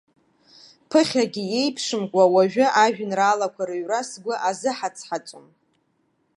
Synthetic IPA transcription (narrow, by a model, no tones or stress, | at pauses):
pʰɨχʲaɡʲɪje̞jpʰʂɨmkʷʼawaʒᶣʊʔaʒᶣʊnraːlakʷʰaɾɨɥrasɡʷʊʔazɨħat͡sʰħat͡ʃʷʼom